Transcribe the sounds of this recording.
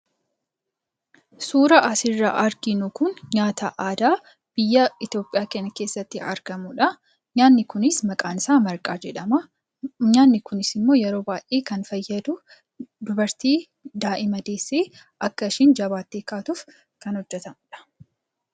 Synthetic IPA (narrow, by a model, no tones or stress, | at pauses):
suːɾɐʔɐsɪrːa̰ʔɐɾɡɪnʊkʊnɲaːt̪ɐʔaːd̪aː | b̥ɪjːɐɪt̪jo̞ːpʼɪjaːkɛnːɐke̞ːsːɐt̪ːɪɐ̰ɾɡɐmʊᶑɐ | anːɪkʊnɪsmɐkʼaːnsaːmɐɾkʼaːd͡ʒɛᶑɐmɐ | ɲaːnːɪkʊnɪsɪmːo̞ːjɛɾo̞ːbaːjʔeːkɐnfɐjːɐd̪ʊ | d̪ʊbɐɾt̪iː | d̪aːʔɪmɐd̪eːsːeː | ʔɐkːɐɪʃɪnd͡ʒɐβaːt̪ːeːkaːt̪uːf | kɐnhɔd͡ʒːɛt̪ɐmʊᶑɐ̥